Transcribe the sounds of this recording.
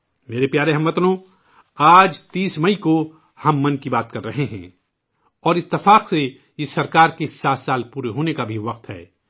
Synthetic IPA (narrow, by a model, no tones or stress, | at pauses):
meːɾepjaːɾeɦɐmːɐt̪nõ | aːd͡ʒt̪iːsmɐiko | hɐmːɐ̃nkibaːt̪kɐɾːɐɦeɦɛ̰̃ː | ɔːɾɪt̪ːɪfaːqse | jesɐɾkaːɾkesaːt̪saːlpuːɾeɦoːnekabʱiʋɐq̚t̪ɦɛ̰ː